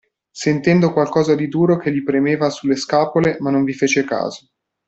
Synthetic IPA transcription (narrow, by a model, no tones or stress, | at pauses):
sent̪ɛnd̪okwalkɔːzad̪id̪uːɾokelːipɾemeːvasulːeskaːpolemanːoɱvifeːt͡ʃeka̰ːzo